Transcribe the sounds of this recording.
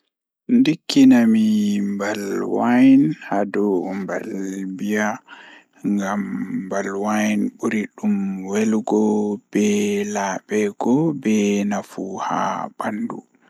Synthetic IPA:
ndikːinamimbalwajnhadɔmbalbija | ŋɡamːbalwajnɓuɾiɗumwelɡɔb̥ɛlaɓɛɡɔbɛnafuha̰b̥andu

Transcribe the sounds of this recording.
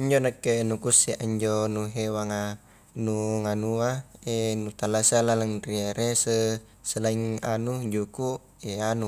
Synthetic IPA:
əɲd͡ʒonakːenukuseʔaɲd͡ʒonuɦewaŋa | nuŋanuaenut̪alasalalaŋrieɾʔesə | səlaiŋanud͡ʒuku | eanu

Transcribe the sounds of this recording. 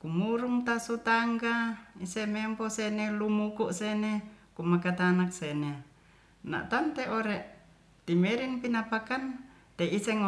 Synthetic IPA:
kumuɾuŋt̪asut̪aŋɡaisememposenelumukuʔsenekumakat̪anak̚sene | na̰ʔt̪ant̪eʔoɾeʔ | t̪imeɾinpinapakan | t̪eiseŋ

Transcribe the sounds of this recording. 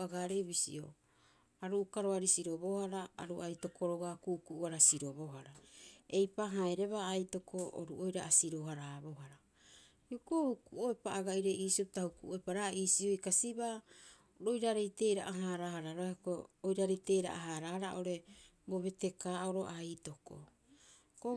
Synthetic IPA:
aɡaɾeβisḭo̞̰ | aɾuʔkaɾoaɾisiɾo̞bo̞haɾaaɾuajto̞kʰo̞ɾoɡakuʔkuʔːaɾasiɾo̞βoɦaɾae̞jpaɦaeɾe̞βaːjto̞kʰo̞o̰ɾuʔojɾaasiɾoɦaɾabo̞ɦaɾa | iuko̞hukuoepaːɡaiɾe̞iːsiopitahukuʔoepaɾaiːsiojkasiba | ɾo̞jɾaɾe̞jte̞ɾaʔaɦaɾahaɾaɾaokoojɾaɾejte̞ɾa̰ʔaɦaɾahaɾaʔo̞ɾe̞ | bo̞βe̞te̞kaːoɾo̞̰ʔajto̞ko̰ | ko

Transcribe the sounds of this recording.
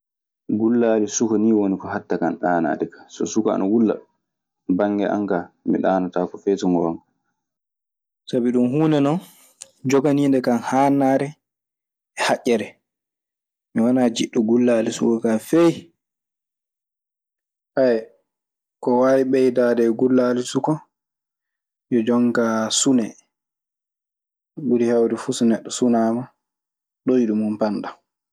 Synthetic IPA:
ɡulːalisukɔniːwonikɔɦatːakanɗaːna̰ːɗɛkḁsɔ̰sukaa̰nʔawulːa̰ | baŋːɡɛ̰ʔa̰ŋkamḭɗaːnataːkɔfɛtɔŋɡɔma | sabiɗumɦuːnɛnɔn | d͡ʒɔɡaniːndɛkanhaːnaːɾɛ | ɛhaʔʲːɛɾɛ | miwanad͡ʒiɗuɡulːalisṵkɔkafej | ʔaj | kɔwaːwiɓɛjdadɛɡulːalisukɔ | jɔd͡ʒɔŋkasunɛ | ɡuɾihawɾɛfusunɛɗːɔsunaːma | ɗojiɗumumpanɗa

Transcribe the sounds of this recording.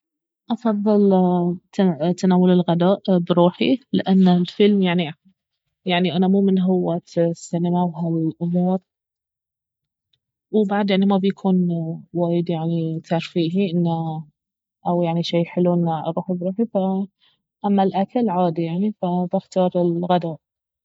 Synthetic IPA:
ʔɑfɑðˤːɨlt̪t̪ːanaːwalɪlɣad̪aːʔbɾuːħḭlɪʔanːalfɪlmjaʕni | jaʕniʔanamuːmɪnɦʊwːasːɪnɪmawɦalʔʊmuːɾ | wbaʕd̪jaʕnimabjakʰuːnwaːjɪd̪jaʕnit̪aʕɾˤfiːɦiʔɪnːa | ʔawjaʕniʃeːħɪluʔɪnːa̰ɾˤuːħibɾuːħifa | ʔamːalʔakalʕaːd̪ijaʕnifabɪxt̪ɑːɾˤɪlɣad̪aːʔ

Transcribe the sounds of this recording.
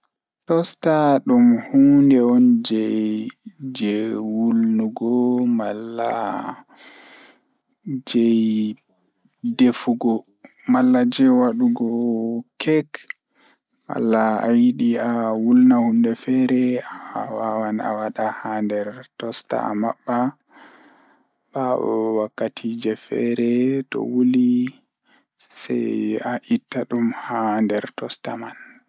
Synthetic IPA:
tɔstaɗumhundɛɔnd͡ʒɛjd͡ʒɛwulnuɡɔmalːa̰ | d͡ʒɛj | defuɡɔ | malːad͡ʒɛwaɗuɡɔkʰɛk | ma̰lːaːjiɗiawulnahumdɛfɛɾɛaawawana̰waɗahandɛɾtɔsta̰a̰ma̰ɓːa | baɔ̰wakːatʰid͡ʒɛfɛ̰ɾɛtɔ̰wuli | sa̰jaʔitːaɗumhandɛɾtɔsta̰man

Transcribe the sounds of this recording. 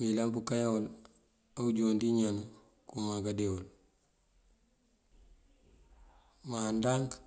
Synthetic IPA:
wilanbukajaol | auɟoːndiɲanu | kumaɡadeol | mandaŋk

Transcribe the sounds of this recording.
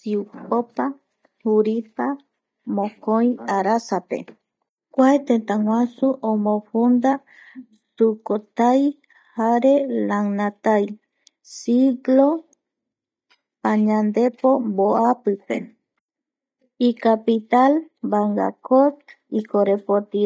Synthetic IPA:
siupopa | huɾipa | mõkoj̃aɾasapḛ | kʷaet̪ent̪aŋwʷãsuʔõmõɸund̪a | sukot̪aj | haɾelaŋnat̪aj | siɡlo | paɲãnd̪e̞po̞mboapɨpe̞̰ | ikapit̪al | baŋɡa̰kot̪ | ikoɾepot̪i

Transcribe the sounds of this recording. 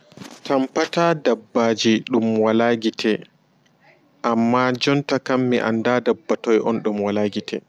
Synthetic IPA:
tampataːdabːaːd͡ʒiɗumwalaɡitʰɛ | ʔamːad͡ʒɔntakamːiʔa̰ndaːdabːatɔjʔɔnɗumwalaɡitʰɛ̰

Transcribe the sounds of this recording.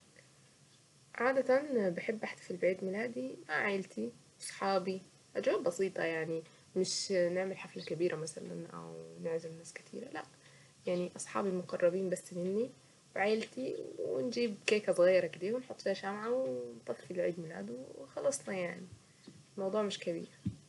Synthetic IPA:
ʕaːd̪at̪anbɪħɪbːʔaħt̪i̥filbʕiːd̪mɪlaːd̪imaʕajɪlt̪ʰiʔɑsˤħɑːbi | ʔad͡ʒawaːbbɑsiːt̪ˤɑjaʕni | mɪʃnɪʕmɪlħaflakabiːɾʔamasala̰nʔa̰wnɪʕʒamnaːskɪ̥t̪ʰḭːɾalaʔ | jaʕniʔɑsˤħɑ̰ːbilmʊqɑrˤːɑbiːmbasːmɪnːi | wʕajɪlt̪iwɪ̰nd͡ʒiːbkeːkasˤɣajːɾˤɑkɪd̪iːwɪnħot̪ˤːfiːhaʃamʕawnt̪ˤɑt̪ːˤfilʕiːd̪mɪla̰ːd̪wxɑlɑsˤnɑjaʕni | lmɑwd̪ˤuːʕmɪʃkaβḭːɾ

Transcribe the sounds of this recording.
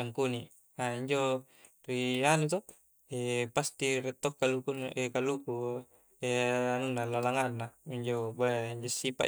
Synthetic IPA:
aŋkuni | aiɲd͡ʒo | rianut̪o | epast̪irɛt̪ːok̚kalukuekaluku | eanunːalalaŋanːaiɲd͡ʒobaiɲd͡ʒosːipa̰

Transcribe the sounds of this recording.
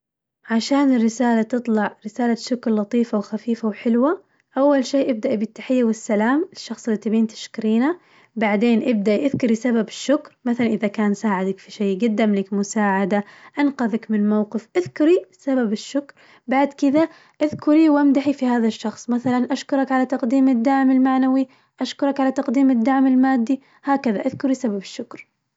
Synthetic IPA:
ʕaʃaːnɪrːɪsaːlat̪ɨt̪ˤlɑʕɾɪsaːlaʃʊkɾlɑt̪ˤiːfawxafiːfawħɪlwa | ʔawːalʃeːʔɪb̚d̪aʔibɪt̪ːaħɪjːawɪsːalaːmɪʃːɑxsˤlːit̪abiːnt̪ɪ̥ʃkɾiːna | baʕd̪eːnʔɪb̚d̪aʔiʔɪðkʊɾisababɪʃːʊkɾmaθalanʔɪðakaːnsaːʕɪd̪akfiʃeːɡad̪ːamlɪkmʊsaːʕad̪aʔanqɑðakmɪnmawqɪfʔɪðkʊɾisababɪʃːʊkɾ | baʕd̪kɪða | ʔaðkʊɾiwʔamd̪aħifihaːðaʃːɑxsˤmaθalanʔaʃkʊɾˤɑkʕalat̪ɑqd̪iːmɪd̪ːaʕmɪlmaʕnawi | ʔaʃkʊɾˤɑkʕalat̪ɑqd̪iːmɪd̪ːaʕmɪlmaːd̪ːi | haːkaðaʔaðkʊɾisababɪʃːʊkɾ

